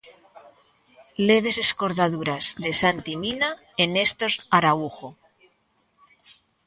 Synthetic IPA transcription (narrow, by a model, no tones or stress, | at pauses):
le̞βe̞se̞sko̞ɾðaðuɾazðe̞sant̪imina | ene̞st̪o̞zaɾauxo